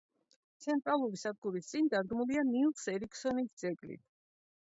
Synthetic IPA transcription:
t̪sʰɛnt̪ʼɾalˠuɾisad̪ɡuɾist̪sʼind̪aɾɡmulianilˠsɛɾikʰsɔnit̪ʰd̪z̥ɛkʼlḭt̪ʰ

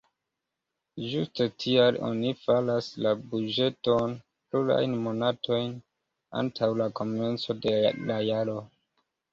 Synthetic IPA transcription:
d͡ʒuste̞tʰialo̞̰nifalaslabud͡ʒe̞to̞n | pluɾa̰jnmo̞natʰo̞jn | a̰ntʰawlako̞me̞nt͡so̞delajaɾo̞

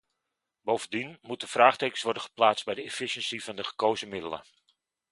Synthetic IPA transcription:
bowvəndinmut̚dəfraːχteːkəsʋɔrdənxə̥plaːt͡sdbɛjdəɛfiʃənsivɑndəχə̥kowzəmɪdələ̰

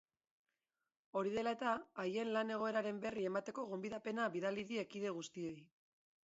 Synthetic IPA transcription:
o̞ɾiðe̞lae̞t̪aːje̞nlane̞ɣ̞o̞e̞ɾaɾe̞mbe̞rie̞mat̪e̞ko̞ɣo̞mbiðape̞naβiðaliðie̞kiðe̞ɣust̪io̞j

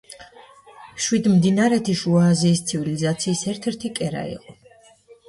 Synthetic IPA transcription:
ʃwid̪md̪inaɾɛt̪ʰiʃuaːziːst̪sʰivilizat̪sʰiːsɛɾt̪ʰɛɾt̪ʰikʼɛɾa̰ḭqʼɔ

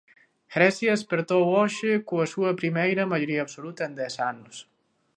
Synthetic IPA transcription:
ɡɾɛsjaspeɾt̪owɔʃekoəsuəpɾimɛjɾəmaʒuɾiəːpsolut̪əend̪ɛsanus

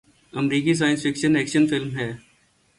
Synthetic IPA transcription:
ɐmɾiːkis̬aːjə̃nsfɪkʃənɛːkʃənfɪlmɦɛː

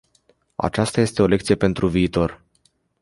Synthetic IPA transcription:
a̰t͡ʃast̪aje̞st̪e̞o̞le̞kt̪sije̞pe̞nt̪ɾuviːt̪o̞r

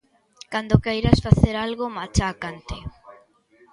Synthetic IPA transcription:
kand̪okejɾasfaθeɾalɣomat͡ʃakant̪ɪ

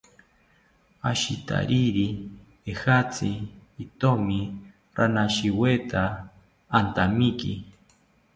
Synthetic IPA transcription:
aʃit̪ʰa̰ɾiɾi | ehat͡sʰiːt̪omi | ɾanaʃiwet̪ʰaː | nt̪amiki

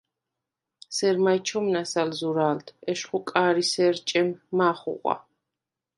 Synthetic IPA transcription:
sɛɾmajt͡ʃʰɔmnasalzuɾaːld̪ʰɛʃχukʼaːɾisɛɾt͡ʃʼɛmːaːχṵʁʷʼa̰

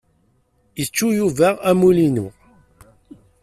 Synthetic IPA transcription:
jət͡ʃːujuvæʁæmulinu

